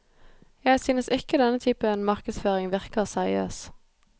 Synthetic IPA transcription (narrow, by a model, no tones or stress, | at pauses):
jæɪsyːnəsɪkəd̪ɛnət̪ʰyːpənmɑʁkəsføːʁɪŋʋɪʁkəʁsæʁɪ̰øːs